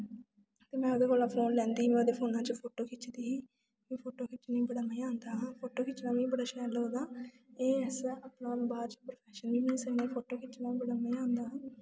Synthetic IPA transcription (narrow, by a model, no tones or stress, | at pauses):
t̪eːmɛ̃ːʊd̪eːkoːlaːpʰoːnlɛ̃ːnd̪iːɦiːmɛ̃ːʊd̪eːpʰoːnãːt͡ʃəpʰoːʈoːkʰɪt͡ʃd̪iːɦiː | mɛ̃ːpʰoːʈoːkʰɪt͡ʃnĩːbəɽəmaiãːnd̪ãːpʰoːʈoːkɪt͡ʃnãːmĩːbəɽaːʃɛːlɦoːd̪aː | eːsəpnaːbaːd͡ʒpɾopʰɛːʃənbiːnĩːsənẽːpʰoːʈoːkʰɪt͡ʃnaːibəɽəmeiãːnd̪aːɦ